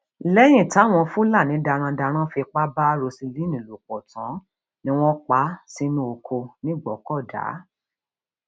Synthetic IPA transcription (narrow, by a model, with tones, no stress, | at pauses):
lɛ˦j̃ĩ˦˨ta˨˦˨w̃ɔ̃˧fũ˦la˦˨nĩ˨˦da˧ɾ̃ã˧da˧ɾ̃ã˦fi˧k͡pa˦ba˦ɾo˧si˧li˦nĩ˨lo˨k͡pɔ˨tã˨˦ | nĩ˦w̃ɔ̃˦k͡pa˦si˧˦nũ˦o˧kʰo˧nĩ˦˨ɡ͡bɔ˨˦kɔ˦˨da̰˨˦